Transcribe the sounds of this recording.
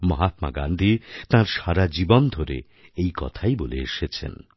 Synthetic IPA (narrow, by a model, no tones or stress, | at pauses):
mɔɦat̪̚ma̰ɡa̰nd̪ʱit̪ãɾʃaɾad͡ʑibond̪ʱoɾḛ | ejkɔ̰t̪ʰajboleeʃet͡ɕʰḛn